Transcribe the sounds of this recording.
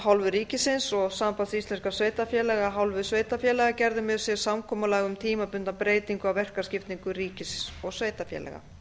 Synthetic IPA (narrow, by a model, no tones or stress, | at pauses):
hawlvʏɾiːcɪsɪnsɔɣsaːmpanst̪ist̪lɛnskasveːjt̪afjɛːlɛɣaɦawlvʏðsveːjt̪afjɛːlɛɣacɛɾðʏmɛðsjɛ̥samkʰɔːmʏlɛɣʏmt̪ʰiːmapʏnt̪apɾeːjt̪iŋkʏawvɛr̥kḁscɪft̪niŋkʏriːcɪsɪnsɔɣsveːjt̪afjɛ̰ːlɛ̰ɣa̰